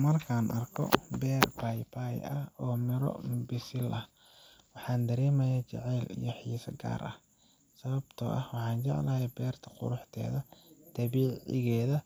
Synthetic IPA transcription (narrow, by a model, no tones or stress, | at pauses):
mɐrkʰaːnʔɐrkʰɔ̰bɛːrbajbajʔɐhɔːmɪɾɔ̰bɪsɪlʔɐh | wɑħɑːnd̪ɐɾɛːmɐjat͡ʃɛ̰ʕɛːlḭjɞħiːsɐɡa̰ːɾʔɐ̰h | sɐβɐbt̪ʰɔ̰ːʔɐhwɑħɑːnt͡ʃɛʕ̰lɐjɛbɛːrt̪ʰɐ̥qʊ̰ɾʊħt̪ʰɛ̰ːðɐt̪ʰɐβiːʕʕɪ̰ɣɛːðɐ